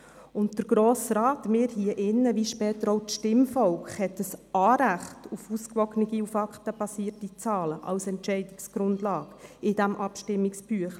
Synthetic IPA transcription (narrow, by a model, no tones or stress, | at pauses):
ʊntd̥əɾɡ̥ɾoːsɾɑːtmɪːɾhiəʔɪnːəʋiʃpɛːtəɾoʊtʃtɪmfɔwkχhɛtəsɑːɾæχtufuskʋɔknəɡiufɑkχtəb̥ɑsiːətit͡sɑːləʔɑ̰wsɛntʃɛɪdɪksɡ̥ɾʊndlɑːɡ̥ɪd̥æmʔɑpʃtɪmːiksb̥yəχ